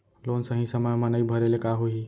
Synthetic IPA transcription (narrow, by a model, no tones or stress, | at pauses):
loːnsəɦĩsəməjmanaibʱəɾelekaɦoi